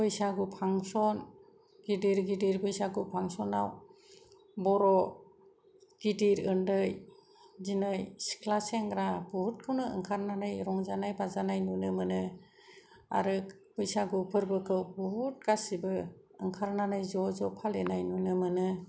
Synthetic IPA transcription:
bɯjsaɡupʰaŋsɔn | ɡidiɾɡidiɾbɯjsaɡupʰaŋsɔnaw | bɔɾɔ | ɡ̥idiɾɯndɯj | zinɯjsi̥kʰlaseŋɡɾabuhut̚kʰɯwnɯɯ̰ŋkʰaɾnanɯjɾɔŋzanajbazanajnunɯmɯnɯ | a̰ɾɯk | bɯjsaɡɯpʰɯɾbɯkʰɯwbuɦut̚kasibɯ | ɯŋkʰaɾnanɯjzɔzɔpʰalenajnunɯmɯnɯ

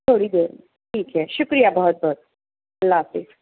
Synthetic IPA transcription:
t̪ʰoɽid̪eɾ | ʈʰiːkɦɛʃʊkɾijabɔɦʊt̪̚bʱɔt̪̚ | əlːasek

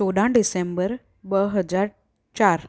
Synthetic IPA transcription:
oːɗãːɳɖɪsẽːmbəɾ | bəɦəd͡ʑaːɾ | t͡ʃaːɾ

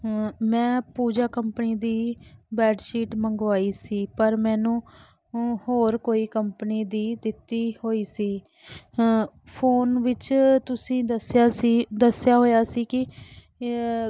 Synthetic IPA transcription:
mɛ̃ːpuːd͡ʒaːkəmpəniːd̪iːbɛːɖʃiːʈməŋɡʋaːiːsiːpəɾmɛ̃ːnũː | hoːɾkoːiːkəmpəniːd̪iːd̪ɪt̪ːiːhoːiːsiː | pʰoːnʋɪt͡ʃt̪ʊsĩːəsaːd̪əsɪjaːɦoːjaːsiːkɪ

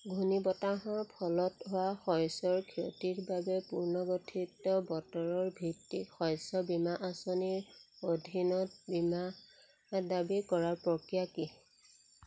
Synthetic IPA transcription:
ɡʱunibɔtaɦɔɹpʰɔlɔtɦowaxɔjsɔɹkʰiɔ̰tiɹbabɛpuɹnɔɡotʰitːɔbɔtɔɹɔɹbʱitːixɔjsɔbimaʔasɔniɹodʱinɔt̚bima | dabikɔɹaɹpɹɔkɹjaki

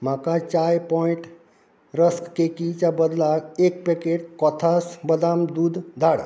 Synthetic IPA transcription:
m̤akãt͡ʃajpɔiɳʈ | ɾəskkekit͡ʃabəd̪laek̚pekeʈ̚kɔt̪ʰasbəd̪amd̪ud̪ʱd̪ʱaɽa̰

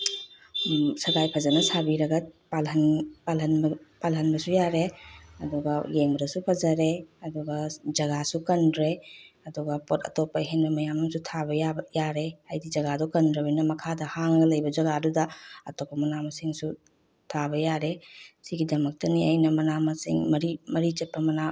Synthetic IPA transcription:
sɐɡajpʰɐzɐnɐsabiɾɐɡɐpalɦɐnpalɦɐnpalɦɐnbɐsujaɾeɐduɡɐjeŋbɾɐsupʰɐzɐɾeɐduɡɐd͡ʒɐɡasukɐnɾe | ɐduɡɐpɔtʰɐ̰tɔpaɦeŋnɐmɐjamumsutʰabɐjabjaɾehajdid͡ʒɐɡadɔkɐndɾɐbinɐmɐkʰadɐhaŋɡɐlɐjbɐd͡ʒɐɡadudɐɐtɔkɐmɐnamɐsiŋsu | tʰabɐjaɾesiɡidɐmɐk̚tɐnia̰jnɐmɐnamɐsḭŋmɐɾimɐɾit͡ʃɐt̚pɐmɐna

